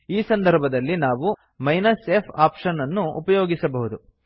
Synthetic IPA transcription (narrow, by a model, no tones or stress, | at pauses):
iːsɐnd̪ʱɐɾbʱɐd̪ɐlːinaːʋu | mɐjnɐsepʰaːpʂɐnɐnːuupɐjoːɡisɐbɐɦud̪u